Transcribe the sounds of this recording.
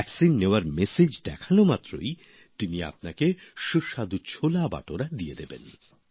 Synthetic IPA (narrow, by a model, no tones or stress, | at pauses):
ɛksinːeoaɾmesed͡ʑd̪ɛkʰanomat̪ːɾo̰j | t̪inia̰p̚nakeʃuʃad̪ut͡ɕʰolaba̰ʈoɾad̪ijed̪ebḛn